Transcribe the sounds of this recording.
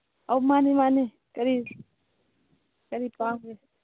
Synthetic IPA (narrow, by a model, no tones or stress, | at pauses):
awmaːnimaːni | kɐɾi | kɐɾipaŋe